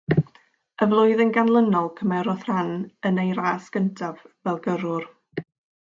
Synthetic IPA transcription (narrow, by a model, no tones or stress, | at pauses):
əvlˠʊɨðənɡanlˠənɔlˠkʰəmɛɾɔθranənejɾaːsɡ̥əntʰavvɛlˠɡəɾʊr